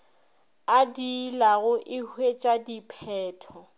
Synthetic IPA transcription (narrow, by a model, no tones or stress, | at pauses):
adilaɣʊʔɪhwet͡ʃʼadipʰɛːtʰɔ